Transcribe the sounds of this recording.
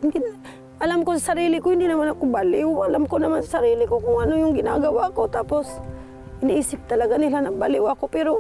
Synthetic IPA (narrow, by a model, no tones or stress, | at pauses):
ɡɪna | ʔalamkosasaɾiːlɪkohɪnd̪inɐmanakobalɪwalamkonɐmansasaɾiːlɪkokʊŋʔanojʊŋɡɪnaɡɐwakot̪aːpos | ʔɪnɪʔiːsɪp̚t̪ɐlɐɡanɪlanabalɪwakopɛɾo